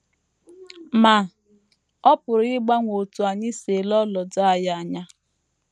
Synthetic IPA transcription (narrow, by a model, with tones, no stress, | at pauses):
ma˨ | ɔ˦pʊ˨ɾɪ˦ɡ͡ba˦ŋʷo˨tu˨a˨ɲɪ˦se˨lɔ˦lɔ˨da˦a˨ja˨a˨ɲa˦